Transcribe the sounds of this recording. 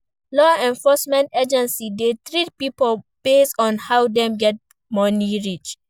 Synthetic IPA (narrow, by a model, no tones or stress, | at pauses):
lɔɛ̃ɱfɔsmɛ̃nted͡ʒɛ̃nsidetɹitpipolb̥estɔ̃nhawdɛ̃mɡɛt̚ | mɔniɹit͡ʃ